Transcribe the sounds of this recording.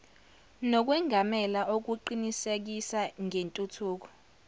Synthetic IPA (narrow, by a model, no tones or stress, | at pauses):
nɔk̬wɛŋʱamɛlaʔok̬uǃinisek̬isaŋʱentʼutʰuːk̬ɔ̥